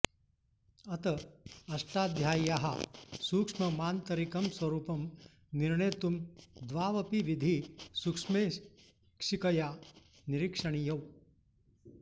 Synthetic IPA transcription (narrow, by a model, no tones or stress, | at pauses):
ɐt̪ɐɐʂʈaːd̪ʱjaːjaɦa̰suːkʂmɐmaːnt̪ɐɾikɐmsʋɐɾuːpɐm | niɾɳeːt̪umd̪ʋaːʋɐpiʋid̪ʱisukʂme | kʂikɐja | niɾikʂɐɳijɐw